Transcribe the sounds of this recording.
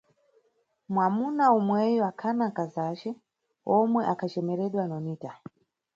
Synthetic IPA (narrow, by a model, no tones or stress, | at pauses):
mwamunaumwɛjuakʰanakazat͡ʃɛ | ɔmwɛʔakat͡ʃɛmeɾɛɗwanoniːta